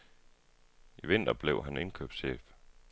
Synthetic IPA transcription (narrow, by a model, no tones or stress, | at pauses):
iʋe̝n̰d̥ɐb̥leʊɦæne̝nkʰøːb̥sɕḛːf